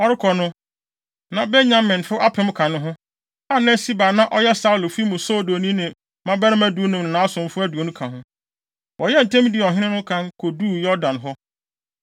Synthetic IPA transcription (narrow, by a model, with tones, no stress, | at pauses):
ɔ˦ɾɪ˦kʰɔ˨nʊ̃˦ | nã˨bɛ˦ɲã˦mːɪ̃˨nfʊ˦ʔa˦pʰɪ̃˦m˦kʰã˨nʊ̃˦ɦʊ̃˦ | a˦nɛ̃˦si˦baː˨nã˦ʔɔ˦jɛ˦sa˦ʊ˨lo˨fi˦mũ˨sɔ˦˨do˨nĩ˦nɪ̃˨ | mã˦bɛ˦nʊ̃˦mæ˦du˦nʊ̃˨mnʊ̃˨nã˨˦a˦sʊ̃˨m˨fʊ˦æ˦du˨o˨nũ˦kʰã˨ɦʊ̃˦ | wʔɔ˨jɛ˦n̩˨tʰɛ̃˦mĩ˦dɪ˨ɔ˨ɦɪ̃˦nɪ̃˦nʊ̃˦kʰã˦nkʰo˨du˦˨jɔ˦dã˨nɦɔ˦